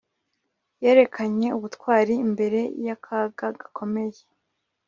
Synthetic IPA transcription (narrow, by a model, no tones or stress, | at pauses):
je̞ːɾe̞kʰaɲe̞uβutkwaːɾiːmbe̞ɾe̞jakʰaɡaɡḁkʰo̞me̞je